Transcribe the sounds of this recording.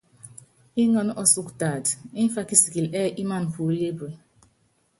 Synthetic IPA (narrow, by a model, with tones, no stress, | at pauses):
i˦ŋɔ˨n˦ʔɔ˦su˨kta˨di˦n˦fa˦ki˦si˨ki˨lɛ˦˨ʔi˦ma˦n˨fu˨˦le˦bɾe˨